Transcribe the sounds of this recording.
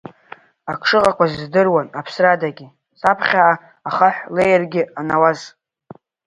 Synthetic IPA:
akʰʂɨqʼakʷazdɨrwanapʰsradaɡʲɪ | sapʰχʲaʕa | aχaħʷlejrɡʲɪanawaz

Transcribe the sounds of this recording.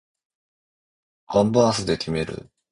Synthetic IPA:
kãmbɯãsɨd̪e̞kʲime̞ɾɯ̰

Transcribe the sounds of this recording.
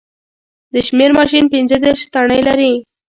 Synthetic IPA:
d̪əʃmeɾmɑʃ̬inpɪnzəd̪eɾʃt̪aɳəjlaɾi

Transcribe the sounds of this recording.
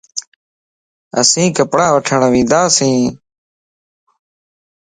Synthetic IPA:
ə̰sĩːkəpɽaːʋəʈʰəɳəʋĩːd̪aːsĩː

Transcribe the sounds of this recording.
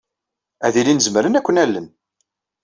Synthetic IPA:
æðilinəzməɾənækʷːənælːən

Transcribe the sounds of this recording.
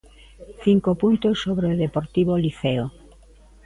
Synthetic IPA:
θiŋkopunt̪osːoβɾeoðepoɾt̪iβoliθeo

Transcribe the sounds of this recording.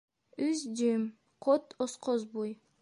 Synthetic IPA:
yzd͡ʒym | qʰot̪osqʰozbuj

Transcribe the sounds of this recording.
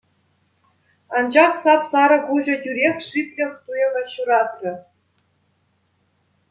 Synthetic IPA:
ɑnd͡ʑɑχsɑpsɑɾɤ̆kuʑɤ̆tʲyɾʲexʲʂit̪ʲlʲĕχt̪ujɤ̆ʋɑɕuɾɑt̪rʲɘ̆

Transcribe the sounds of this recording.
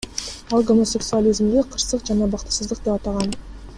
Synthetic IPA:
ɑlˠɡo̞mo̞sʲe̞ksualʲizmd̪eqʰəɾsəqʒɑnɑbɑqt̪ə̥səzd̪əq̚d̪epɑt̪ɑʁɑn

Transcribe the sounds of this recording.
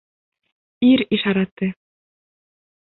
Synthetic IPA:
iɾiʃɑɾɑt̪ːɘ

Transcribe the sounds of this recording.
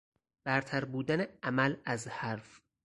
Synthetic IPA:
b̥æɾt̪ʰæɾbuːd̪æneæmælæzhæɾf

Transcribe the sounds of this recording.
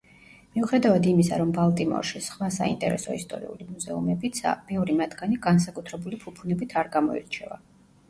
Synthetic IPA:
miuχɛd̪avad̪imisa̰ɾɔmbalˠt̪ʼimɔ̰ɾʃisχwasa̰ḭnt̪ʼɛ̰ɾɛ̰sɔist̪ʼɔ̰ɾḭṵlimuzɛumɛbit̪sa̰mɛɔɾimad̪ɡaniɡans̬akʼut̪ʰɾɛbulipʰupʰunɛbit̪ʰaɾɡamɔḭɾt͡ʃʰɛva̰

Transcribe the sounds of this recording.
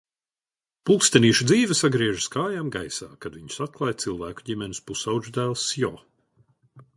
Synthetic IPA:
pulˠkst̪ɛniːʃud̪ziːvʲɛsaɡɾiɛʒɨskaːjaːmɡajsa̰ːkad̪viɲu̥sat̪̚klˠajt̪silˠvæːku̥ɟimʲɛnispusawʒd̪æːlˠsjɔ̰ː

